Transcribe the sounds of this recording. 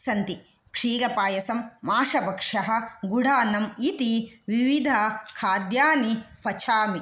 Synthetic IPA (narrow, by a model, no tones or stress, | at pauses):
sɐnt̪i | kʂiːɾɐpaːjɐsɐmːaːʂɐbɐkʂɐɦɐ̆ɡuɽʱaːnɐmit̪iʋiʋid̪ʱɐkʰaːd̪jaːnipɐt͡ʃʰaːmi